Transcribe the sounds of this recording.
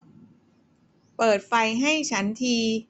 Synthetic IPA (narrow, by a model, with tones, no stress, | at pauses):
pɤː˨˩t̪̚fa˧jɦa˥˩jt͡ɕʰa˦˥nt̪ʰiː˧